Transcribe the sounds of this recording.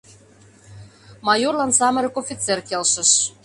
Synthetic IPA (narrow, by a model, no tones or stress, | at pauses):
mɑjorlɑnsɑmə̆ɾə̆kofʲit͡serkelʃə̆ʃ